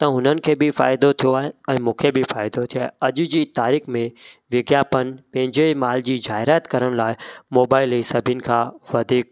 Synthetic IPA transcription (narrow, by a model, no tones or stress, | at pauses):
t̪ɐɦʊnənɪ̆kʰeːbɪfa̰ːɪd̪ot̪ʰijoaːɦeɛ̃ːmũːkʰebɪfaːɪd̪ot̪ʰioaːeɐʄʊd͡ʑiːt̪aːɾiːxmẽʋɪɡjaːpən̆pɐ̃ɦɪ̃ɲd͡ʑmaːld͡ʑiːzaːɦɪɾaːt̪kɐɾəɽ̃laːɪmoːbaːɪlisɐbʱiənɪ̆kʰãːʋɐd̪ʱiːk̚